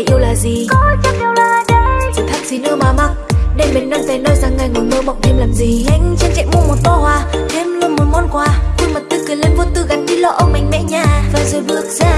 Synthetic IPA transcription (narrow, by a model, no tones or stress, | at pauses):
jʔiəwlaːzikɔt͡ɕɔmʔiəwlaːɗəjt̪ʰak̚sinɨ̰əɓaːmaŋ̚ɗemɓenːɔjnvɛnːɔjzaŋːajŋɔməːɓɔw̚ʔɗiəmlaːmziʔajŋ̟t͡ɕan̚t͡ɕɛ̰muəmot̚t̪ɔhwaːt̪ʰemlonmot̚mɔnkwaːkɨŋmət̚t̪ɨkɨlenvont̪ɨɣanɗilɔ̰ʔəwŋ͡mmïŋ̟mɛ̰ɲaːvaːzəjvɨ̰ək̚zaː